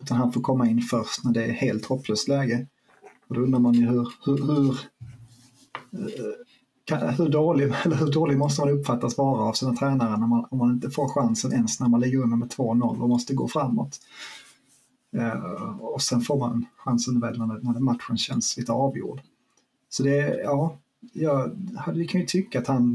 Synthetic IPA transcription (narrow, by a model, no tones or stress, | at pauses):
ʉ̟ːt̪anhanfoːɾkʰɔmːaɪnːfœɾʂt̪næɖɛːɾheːlt̪hɔpʰːløːst̪lɛːɡə | ɔd̪ɔɵnɾamanʏɦɵɾhɵhɵɾ | kʰahɵɖoːlɪɛlːəɾhɵɖoːlɪɡmɔst̪əmanɵpːfat̪ːasvɑːɾaːvsiːnat̪ʰɾɛːnaɾənɔmanɔmhanɪnt̪əfoːɾɧansənʔɛnsnæɾmanlɪɡəɵnːəmɛt̪ʰvoːnɔlːɔmɔst̪əɡo̰ːfɾamːɔ̰t̪ | ɔsɛnfoːɾmannɧansənvɛld̪nædnæɖmat̪ɧənɕɛnːsliːt̪əɑːvjṵːɖ | sɔd̪ɛjɑː | jɑhad̪ːəɪkʰɵnɪt̪ʰʏkːaat̪han